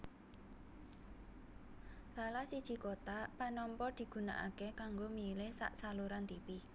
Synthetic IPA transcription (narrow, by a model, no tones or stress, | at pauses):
salahsid̥ʒ̥i̤kot̪apanɔmpɔd̪̥i̤ɡ̥ṳna̰ʔa̰kekaŋɡomilɪhsa̰ʔsaluɾant̪ipi